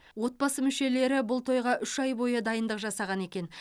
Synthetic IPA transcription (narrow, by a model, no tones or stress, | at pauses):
wo̞t̪̚bɑsəmʏʃe̞le̞ɾɪbʊlˠt̪ʰo̞jʁɑʔʏʃɑjbo̞jəd̪ɑjənd̪əqʒɑsɑʁɑne̞kʲe̞n